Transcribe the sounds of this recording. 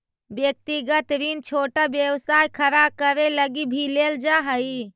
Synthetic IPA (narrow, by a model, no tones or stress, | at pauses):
bjək̚t̪iɡət̪ɾint͡ʃʰoʈabjəwsajkʰəɾakəɾeləɡibʱileld͡ʒaɦəj